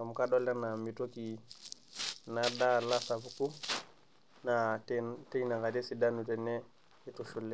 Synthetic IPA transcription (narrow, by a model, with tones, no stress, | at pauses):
a˨m˨ka˦dɔ˦la˦na˨mi˨to˦ki˨ | na˨da˦la˦sa˨pu˨ku˦ | na˨tte˦jna˨ŋa˨de˦si˨da˦nu˨tɛ˨neː˦ | tu˨ʃu˨lːi˦